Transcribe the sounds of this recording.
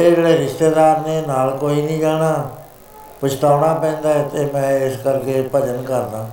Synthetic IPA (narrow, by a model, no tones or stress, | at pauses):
eːd͡ʒeːɽeːɾɪʃt̪eːd̪aːɾneːnaːlkoːiːnĩːd͡ʒaːɽ̃aː | pət͡ʃʰʈ̪aːɳaːpɛ̃ːnd̪aːt̪eːmɛ̃ːɪskəɾkeːpəd͡ʒənkəɾd̪ãː